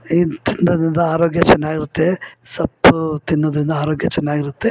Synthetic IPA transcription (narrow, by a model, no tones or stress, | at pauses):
it̪ind̪ɐd̪ɾind̪ɐaːɾoːɡjɐt͡ʃɛnːaːɡiɾut̪ːe̞sɐbt̪inːoːd̪ɐɾind̪ɐaːɾoːɡjɐt͡ʃɛnːaːɡiɾut̪ːe